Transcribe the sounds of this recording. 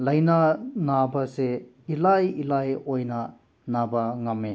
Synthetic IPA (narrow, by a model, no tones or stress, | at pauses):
lɐjnanabɐse | ilajilajojna | nabɐŋɐme